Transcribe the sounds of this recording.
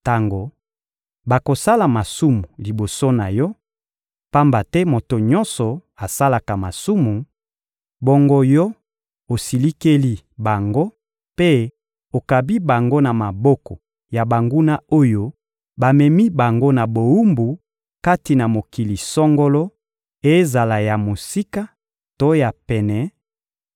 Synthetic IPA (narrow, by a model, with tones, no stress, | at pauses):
ta˦ŋɡo˨ | ba˨ko˨sa˦la˨ma˨su˦mu˨li˨bo˨so˦na˨jɔ˦ | pa˦mba˨tɛ˦mo˨to˨ɲɔ̃˦nsɔ˨a˨sa˦la˨ka˨ma˨su˦mu˨ | bo˦ŋɡo˦jɔ˦ | o˨si˨li˦ke˦li˦ | ba˨ŋɡo˦ | pe˦ | o˨ka˨bi˦ba˨ŋɡo˦na˨ma˨bɔ˦kɔ˨ | ja˨ba˨ŋɡu˦na˦o˦jo˦ | ba˨mɛ˨mi˦ba˨ŋɡo˦na˨bo˨u˦mbu˨ | ka˦ti˨na˨mo˨ki˨li˨sɔ˦ŋɡo˦lɔ˦ | e˦za˨la˨ja˨mo˨si˦ka˦ | to˦ja˨pɛ˨nɛ˨